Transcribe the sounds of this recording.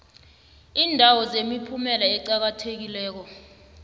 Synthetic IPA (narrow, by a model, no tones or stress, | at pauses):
iːndʱawɔzemipʰumɛlaɛǀak̬atʰek̬ilɛːk̬ɔ